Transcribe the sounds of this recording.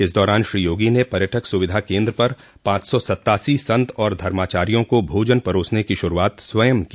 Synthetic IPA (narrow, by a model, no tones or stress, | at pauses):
ɪsd̪ɔːɾaːnʃɾiːjoːɡinepɐɾjəʈʰəksʊʋɪd̪ʱakẽːnd̪ɾəpɐɾ | pãːt͡ʃsɔsɐt̪ːaːsisɐ̃nt̪ɔːɾd̪ʱɐɾmaːt͡ʃaːɾijõkobʱoːd͡ʒənpɐɾoːsnekiʃʊɾuaːt̪swɐjəmki